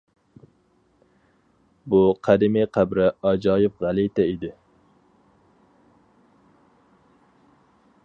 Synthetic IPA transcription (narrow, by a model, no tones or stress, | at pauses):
buqʰæd̪ɪmiqʰæbɾɪɑd͡ʒɑːjɪfʁælˠit̪ɛid̪ɪ